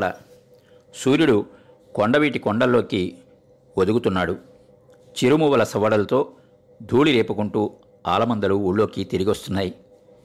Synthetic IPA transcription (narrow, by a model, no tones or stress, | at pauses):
ɽɐ̰ | suːɾjuɽu | kɔɳɖɐʋiːʈikɔɳɖɐlːo̞ːki | od̪uɡut̪unːaːɽu | t͡ʃiɾumuːʋɐlɐsɐʋɐɽɐlɐt̪o̞ː | d̪ʱuːɭiɾeːpukuɳʈuː | a̰ːlɐmɐnd̪ɐluuɭːo̞ːkit̪eɾiɡiʋɐst̪unːaːji